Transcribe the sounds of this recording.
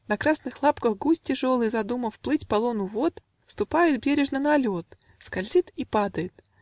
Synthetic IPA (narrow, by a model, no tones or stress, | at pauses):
nɐkɾasnɨxlˠapkəxɡusʲtʲɪʐolˠɨjzɐd̪uməfplˠɨtʲpɐlˠonʊvot̪ | st̪ʊpajɪt̪̚bʲeɾʲɪʐnənɐlʲot̪ | skɐlʲzʲit̪ipad̪əjɪt̪